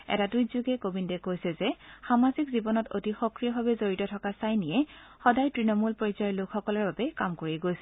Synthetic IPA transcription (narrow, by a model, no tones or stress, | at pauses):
ɛ̰taduzuɡɛkobindɛkojsɛzɛxamazikzibɔnɔto̰tixɔkɹijɔɦabɛzoɹitɔtʰɔkasajnijɛxɔdajtɹinɔmulpɔɹizɔjɔlʊkʰxɔkɔlɔɹbabɛkamkoɹiɛɡojsɛ